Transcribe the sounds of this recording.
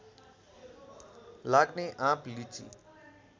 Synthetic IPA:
laɡneʔãplit͡sḭ

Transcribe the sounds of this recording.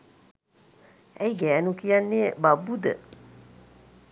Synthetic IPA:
ʔɛjɡɛːnukijanːebabud̪ə

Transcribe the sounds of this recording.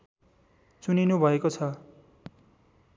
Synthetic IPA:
t͡suninubʱʌekot͡sʰʌ

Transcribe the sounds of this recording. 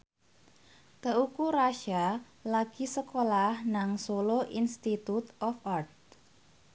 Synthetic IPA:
k̪əukuɾaʃa | laɡ̥i̤səkolahnaŋsoloʔinst̪it̪ut̪ɔfart̪̚

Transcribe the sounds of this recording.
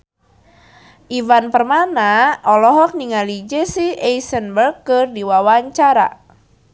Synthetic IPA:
ʔivanpərmanaɔlɔɦɔk̚niŋalid͡ʒɛsiɛjsənbərɡɨrdiwawaɲt͡ʃaɾa̰

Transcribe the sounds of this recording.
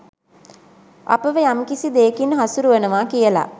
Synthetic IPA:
a̰pəʋəjamkisid̪eːkinːɦasuɾuʋənəʋaːkijəla̰

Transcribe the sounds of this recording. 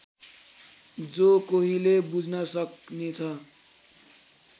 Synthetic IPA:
d͡zokoɦilebud͡zʱnʌsʌknet͡sʰʌ

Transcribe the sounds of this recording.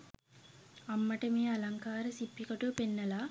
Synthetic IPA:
amːɐʈəmeːalaŋkaːɾəsipːikoʈuʋpenːɐlaː

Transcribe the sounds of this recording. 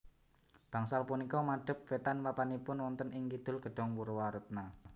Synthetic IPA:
b̥a̤ŋsalpunikɔmaɖ̥ə̤p̚fet̪anwapanipʊnwɔnt̪ənɪŋkid̪̥ʊ̤lɡ̥ə̤ɖ̪̥ɔ̤ŋwuɾwaɾət̪̚na

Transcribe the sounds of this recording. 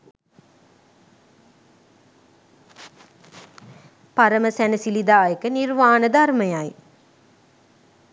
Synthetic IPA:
paɾəməsænəsilid̪aːjəkənirʋaːnəd̪arməjaj

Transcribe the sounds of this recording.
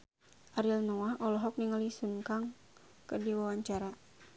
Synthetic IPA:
ʔaɾilnɔwahʔɔlɔɦɔk̚niŋalisuŋkaŋ | kərdiwawaɲt͡ʃaɾa

